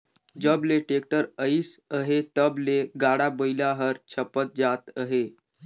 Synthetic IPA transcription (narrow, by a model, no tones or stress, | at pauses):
d͡ʒəbleʈek̚ʈəɾəisəɦet̪əbleɡaɽabəilaɦəɾt͡ʃʰəpət̪̚d͡ʒat̪əɦe